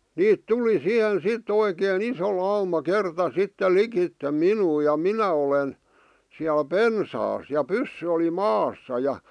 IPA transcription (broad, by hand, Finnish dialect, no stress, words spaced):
niːt tuli sih̆en sit oikeːn iso lɑumɑ kertɑ sitːel likitːe minuː jɑ minæ olen siæl pensɑːs jɑ pysːy oli mɑːsːɑ jɑ